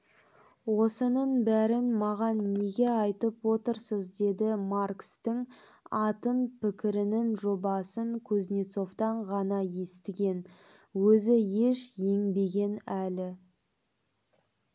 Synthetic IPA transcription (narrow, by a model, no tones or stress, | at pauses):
wo̞sənəɴbæɾɪnmɑʁɑnːe̞ɡʲe̞ɑjt̪əpwo̞t̪əɾsəzd̪e̞d̪ɪmarkst̪ɪŋ | ɑt̪ənpʰɪkʲɪɾɪnɪnʒo̞bɑsəŋkʲʰɵznʲet̪so̞vt̪ɑɴʁɑnɑje̞st̪ɪɡʲe̞n | wɵzɪje̞ʃje̞ŋbe̞ɡʲe̞nælɪ